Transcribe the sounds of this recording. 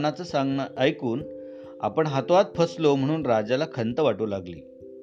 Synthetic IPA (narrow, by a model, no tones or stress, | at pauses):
nat͡səsaŋɡnəʔəjkuːn | a̰pəɳɦat̪oʋat̪̚pʰəslom̤əɽ̃uːnɾad͡zalakʰənt̪əʋaʈuːlaɡlḭː